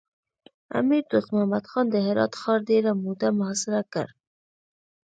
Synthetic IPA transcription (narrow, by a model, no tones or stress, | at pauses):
a̰miɾd̪uqmahmad̪xɑnd̪əɦɪɾɑ̰t̪xɑɾd̪eɾamud̪amʊhɑsɪɾakə̰ɾ